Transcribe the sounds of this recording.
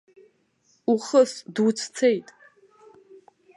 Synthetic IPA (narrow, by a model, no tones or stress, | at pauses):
uχəsdut͡sʰt͡sʰejtʼ